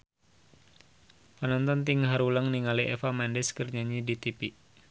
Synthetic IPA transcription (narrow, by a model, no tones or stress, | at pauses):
pənɔnt̪ɔnt̪iŋɦaɾulaŋniŋaliʔɛfamandɛskərɲaɲidit̪ipi